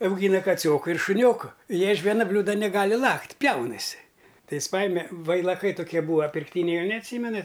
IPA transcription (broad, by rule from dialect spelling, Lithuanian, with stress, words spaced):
ɐʊˈɡʲiːnɐ kɐˈt͡sʲoːkʊ ɪr ʃʊˈnʲoːkʊ ˈjiɛ ɪʃ ˈʋʲiɛnɐ ˈbʲlʲuːdɐ nʲɛˈɡɑːlʲɪ ˈlˠɐktʲ ˈpʲjɛʊnɐsʲɪ ˈtɐɪ ˈjɪs ˈpɑːjɪmʲɛ ʋɐɪlˠɐˈkɐɪ toːˈkʲiɛ ˈbuːʋɐ pʲɪrkˈtʲiːnʲɛɪ ˈjɛʊ nʲɛɐtʲˈsʲiːmʲɛnɐtʲ